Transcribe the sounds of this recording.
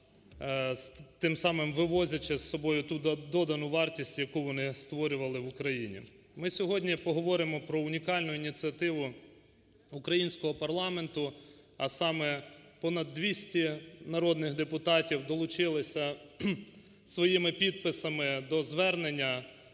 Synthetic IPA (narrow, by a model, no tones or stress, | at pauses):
t̪ɪmsɑmɪmʋɪʋɔzʲɐt͡ʃɪsːɔbɔjʊt̪ud̪ɔd̪ɐnʊʋɑrtʲisʲtʲjɐkuʋɔnɪst̪ʋɔɾʲʊʋɐlˠɪʋʊkɾɐjinʲḭ | mɪsʲɔɦɔdʲnʲipɔɦɔʋɔɾɪmɔpɾɔʊnʲikɑlʲnʊinʲit͡sʲiɐt̪ɪʋʊ | ʊkɾɐjinʲsʲkɔɦɔpɐrlˠɑme̞nt̪ʊ | ɐsɑmɛpɔnɐd̪ːʋʲisʲtʲinɐɾɔd̪nɪxd̪epʊt̪ɑtʲiwd̪ɔlˠʊt͡ʃɪlˠɪsʲɐ | sʋɔjimɪpʲid̪̚pɪsɐmɪd̪ɔzʋɛrnenʲːɐ